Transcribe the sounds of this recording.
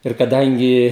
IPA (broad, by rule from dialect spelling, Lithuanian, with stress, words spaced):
ɪr kɐˈdɐŋʲɡʲɪ